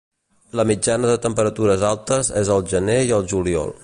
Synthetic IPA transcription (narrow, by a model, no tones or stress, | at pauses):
ləmid͡ʒanəðət̪əmpəɾət̪uɾəzalˠt̪əzezəlˠʒəneiəlˠʒuliɔ̰lˠ